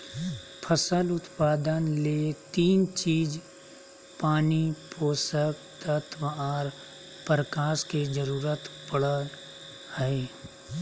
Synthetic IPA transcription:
pʰəsəlʊt̪paːd̪ənlet̪iːnt͡ʃiːd͡ʒ | paːnipoːsək | t̪ət̪ʰʋaːɾ | pɾəkaːsked͡ʒəɾuːɾət̪pəɽə | həeː

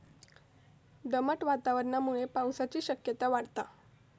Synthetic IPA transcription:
d̪əməʈʋat̪aʋəɾnamuɭepawsat͡ɕiːɕəkjət̪aʋaɽt̪a

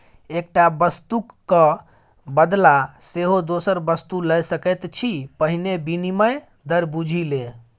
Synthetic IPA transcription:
ek̚ʈabəst̪ukːə | bəd̪laseɦod̪osəɾbəst̪uləjsəkɛt̪t͡ʃʰipəɦinebiniməj | d̪əɾbud͡ʒʱilẽ

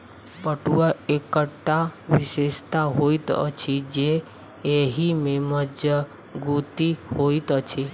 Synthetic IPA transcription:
bəʈuaekəʈːaʋɪʃest̪aɦoit̪ə̰t͡ʃʰid͡ʒe | eɦimeməd͡ʒjə | ɡut̪ihoit̪ət͡ʃʰi

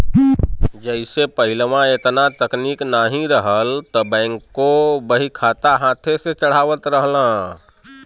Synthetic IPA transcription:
d͡ʒɛɪsepəɦɪlʋãeːt̪nat̪əkniːknaːɦĩɾəɦəlt̪obɛ̃ːŋkːobəɦikʰaːt̪aɦaːt̪ʰeset͡ʃəɽ̤aːʋət̪ɾəɦlã

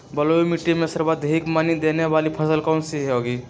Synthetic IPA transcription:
bəloimiʈːimẽsəɾbad̪ʱeikmanid̪eneʋaːlipʰəsəlkɔːnsiɦɦoːɡiː

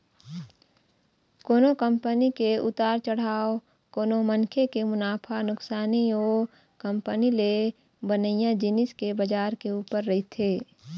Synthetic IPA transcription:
koːnokə̃mpənikeʊ̰t̪aːɾt͡ʃəɽ̤aːo | koːnomənkʰekemʊnaːpʰanʊksaːnioː | kə̃mpənile | bənəɪjãd͡ʒɪnɪskebəd͡ʒaːɾkeuːpəɾːəɦit̪ʰeː

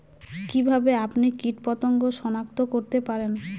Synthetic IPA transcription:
kibʱabeapnikiʈpɔt̪oŋɡoʃɔnak̚t̪okoɾt̪epaɾen

